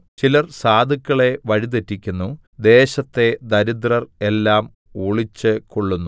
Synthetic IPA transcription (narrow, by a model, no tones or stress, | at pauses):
t͡ɕilɐrsaːd̪ʱikʲːɐɭe̞ʋɐɻit̪̬etːikʲːunːu | d̪e̞ːɕɐt̪ːe̞d̪ɐɾid̪rɐre̞lːaːm | uːɭit͡ɕːɨkoɭːunːu